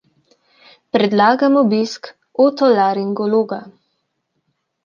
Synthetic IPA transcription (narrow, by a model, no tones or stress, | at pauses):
pɾɛd̪laːɡamɔbisk | ot̪ɔlaɾiŋɡɔloːɡa